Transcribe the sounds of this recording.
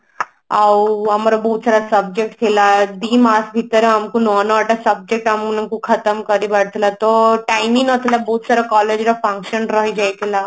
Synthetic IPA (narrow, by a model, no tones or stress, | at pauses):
awamaɾobɔɦut̪saːɾasəb̚d͡ʒek̚ʈt̪ʰelad̪iːmasbʱit̪əɾẽamkunɔnɔaʈasəb̚d͡ʑek̚ʈamunkukʰət̪əmkəɾibaɽt̪ʰlat̪ɔʈajmĩnət̪ʰelabɔɦut̪saɾakɔled͡ʒɾafə̃ŋkʃənɾəɦid͡ʒajt̪ʰela